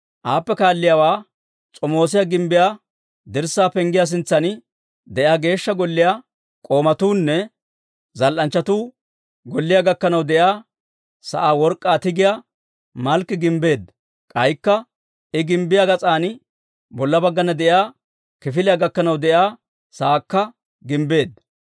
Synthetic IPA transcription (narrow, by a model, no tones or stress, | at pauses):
ʔaːpːɛkaːlːɪjawaː | t͡sʼɔmo̞ːs̬ɪjaɡɪmbɪjaː | d̪ɪɾsːaːpɛŋɡɪjas̬ɪnt͡sːɐn | d̪ɛʔjaːɡe̞ːʃːɐɡɔlːɪja | kʼo̞ːmɐt̪uːnːɛ | zɐlʔɐnt͡ʃːɐt̪uː | ɡɔlːɪjaːɡɐkːɐnɐwd̪ɛjaː | sɐʔaːwɔɾkʼːaːt̪ɪɡɪjaː | mɐlkːɪɡɪmbe̞ːd̪ | kʼɐjkːɐ | ɪɡɪmbɪjaɡɐt͡sʼaːnɪ | bɔlːɐbɐɡːɐnɐd̪ɛjaː | kɪfɪlɪjaːɡɐkːɐnɐwd̪ɛjaː | saːkːɐ | ɡɪmbe̞ːd̪